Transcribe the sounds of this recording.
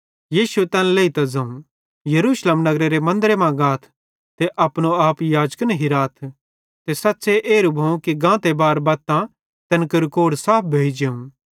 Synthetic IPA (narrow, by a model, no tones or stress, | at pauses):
jiːsuet̪ɛ̃ːnleːit̪azɐ̃ũ | jɐɾuːsleːmnɐɡɾeɾemɐ̃nd̪ɾemãɡaːt̪ʰ | t̪eʔɐpɽ̃oaːpjaːd͡ʒknɐɦiɾaːt̪ʰ | t̪esɐtːseʔeːɾubʱɐ̃ũkiɡãːt̪ebaːɾbɐːt̪ːã | t̪ɐnkəɾkoːɽsaːp̚ʰbʱeːd͡ʒeũ